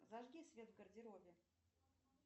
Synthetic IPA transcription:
zaʐɡʲisʲvʲet̪vɡərdʲɪɾovʲɪ

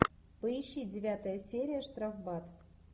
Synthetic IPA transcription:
pəjiɕːidʲɪvʲat̪əjəsʲeɾʲijəʂt̪rɑfbɑt̪

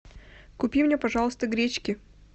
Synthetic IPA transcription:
kʊpʲimnʲepɐʐɑlˠəst̪əɡɾʲet͡ɕkʲɪ

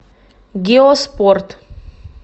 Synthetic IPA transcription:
ɡeospɔɾt̪

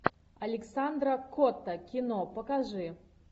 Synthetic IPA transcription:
ɐlʲɛksand̪ɾɐkɔt̪ɐkʲinɔpɐkaʐɨ

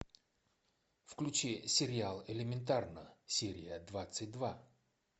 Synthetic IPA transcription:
fklʲʉt͡ɕesʲɪɾʲɪalˠɪlʲɪmʲɪnt̪̬arnəsʲeɾʲɪjəd̪vat̪sɨt̚ʲd̪va

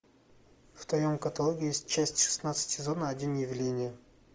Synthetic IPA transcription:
ft̪vɐjomkɐt̪ɐlˠoɡʲɪjesʲtʲt͡ɕæsʲtʲʂɨ̥snat̪sɨ̥tʲsʲɪzonəɐdʲinjɪvlʲenʲɪjə

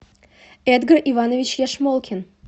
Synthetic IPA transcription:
ɛd̪ɡərʔivɑnovʲit͡ɕjɛʂmolˠkʲʰen

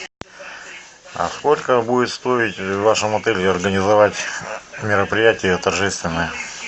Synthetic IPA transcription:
a̰sko̞lʲkəbudʲɪt̪st̪o̞ɪtʲvːaʂɨmɐt̪ɛlʲɪɐrɡənʲɪzɐvatʲmʲɪɾəpɾʲɪjætʲɪjət̪ɐrʐɛst̪vʲɪnːɨjə

